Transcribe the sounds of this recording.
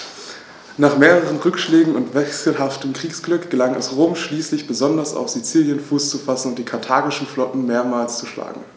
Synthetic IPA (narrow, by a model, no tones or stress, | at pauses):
naːχmeːʁəʁ̞ənʁʏkʃlɛːɡŋ̩ʊntv̥ɛksl̩ɦaftəmkʁ̥iːksɡ̥lʏkɡ̥əlaŋɛ̰sʁoːmʃliːslɪçb̥əzɔndɐsa̰ʊfz̥it͡siːljənfuːst͡sufasn̩ʊnt̚d̥iːkʰaɐtʰaːɡɪʃn̩flɔtn̩meːɐmaːlst͡suʃla̰ːɡŋ̩